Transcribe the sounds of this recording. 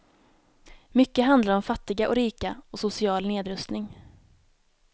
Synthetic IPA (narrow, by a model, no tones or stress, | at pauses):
mʏkːəɦand̪laɾɔmfat̪ːɪɡaʔɔɾiːkaɔsʊsɪɑːlneːd̪ɾɵst̪nɪŋ